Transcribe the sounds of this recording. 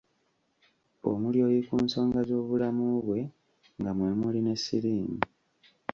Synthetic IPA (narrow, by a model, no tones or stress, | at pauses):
o̰muljo̞ːjikuːnso̞ːŋɡazo̞ːβulamuβwe̞ | ŋɡamwe̞muline̞siliːmi